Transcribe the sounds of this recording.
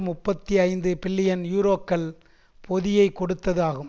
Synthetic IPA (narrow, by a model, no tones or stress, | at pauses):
mʊpːɐt̪ːiɐɪnd̪ɯpɪlːɪjɐnjuːɾoːkːɐl | pʰɔðɪjɐɪkːɔɽɯt̪ːɐðaːɣɯm